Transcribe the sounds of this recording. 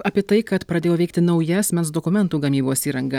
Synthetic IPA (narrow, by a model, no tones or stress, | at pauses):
ɐːpʲiɛt̪ɐɪkɐt̪pɾɐd̪ʲeːjoːʋʲɛɪk̚t̪ʲɪnɒʊjɛɐsʲmʲɛnsd̪okʊmʲɛnt̪uːɡɐmʲiːboːsiːɾɐŋɡɐ